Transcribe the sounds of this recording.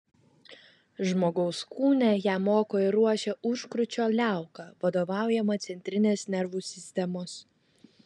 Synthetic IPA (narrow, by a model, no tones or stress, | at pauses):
ʒmoːɡɔʊskuːnʲɛjæːmoːkoːɪɾuɔʃʲɛʔʊʃkɾʊt͡ʃʲoːlʲæˑʊkɑʋɐd̪oːʋɑˑʊjɛmɐt̪sʲɛnʲt̪ʲɾʲɪnʲeːsnʲɛɾʋuːsʲɪsʲt̪ʲɛmoːs